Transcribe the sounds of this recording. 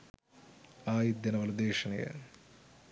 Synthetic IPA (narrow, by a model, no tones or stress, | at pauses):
aːjid̪jɐnɐʋɐlɐd̪eːʂɐnɐjɐ̰